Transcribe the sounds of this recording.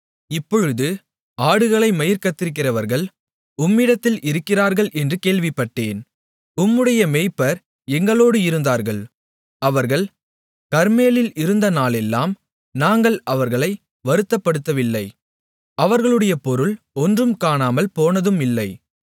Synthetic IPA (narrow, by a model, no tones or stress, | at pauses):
ɪpːɔɻɯðɯ | aːɽɯɣɐɭɐɪmɐjɪɾkɐt̪ːɪɾɯk̬ːɪrɐʋɐɾɣɐɭ | ʊmːɪɽɐt̪ːɪlɪɾɯkːɪraːɾɣɐɭʔɛndrɯkeːɭʋɪpːɐʈːeːn | ʊmːɯɽɐjɐmeːpːɐɾ | ɛŋɡɐɭoːɽɯɪɾɯnd̪aːɾɣɐɭ | ɐʋɐɾɣɐɭ | kɐɾmeːlɪlɪɾɯnd̪ɐnaːɭɛlːaːm | naːŋɡɐɭɐʋɐɾɣɐɭɐɪ | ʋɐɾɯt̪ːɐpːɐɽɯt̪ːɐʋɪlːɐɪ | ɐʋɐɾɣɐɭɯɽɐjɐpɔɾɯɭ | ɔndrɯmkaːnaːmɐlpoːnɐðɯmɪlːɐɪ